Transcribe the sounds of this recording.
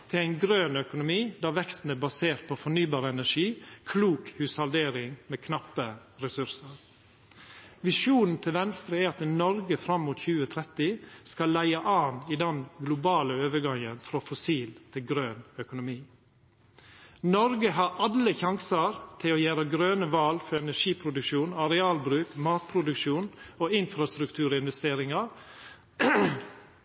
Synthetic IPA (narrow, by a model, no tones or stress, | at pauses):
t̪ʰɪlæɪnɡɾøːnœkʊnʊmiːd̪ɑːʋɛkst̪n̩əbɑseːɾt̪̚pʰɔfɔɳyːbɑːɾəɛnæʂiːkʰluːkhʉːshɑld̪eːɾɪŋmeːkʰnɑpːə | ɾɛsʉɾsəɾ | ʋɪʂuːnn̩t̪ʰɪlʋɛnst̪ɾəæɾɑt̪nɔɾɡəfɾɑmːuːt̪çʉːət̪ʰɾɛt̪ɪskɑlːæɪəʔɑːnɪd̪ɛnɡlʊbɑːləøːʋəɡɑŋə̰nfɾoːfɔsiːlt̪ʰɪlɡɾøːnœkʊnʊmiː | nɔɾɡəɦɑɾɑləçɑŋsɑɾt̪ʰɪloːjæːɾəɡɾøːnəʋɑːlfɔɾɛnæʂiːpʰɾʊd̪ʉkʃuːnɑɾɛɑːlbɾʉːkmɑːt̪̚pʰɾʊd̪ʉkʃuːnoːɪnfɾɑst̪ɾʉkt̪ʰʉːɾəɪnʋɛst̪eːɾɪŋɑɾ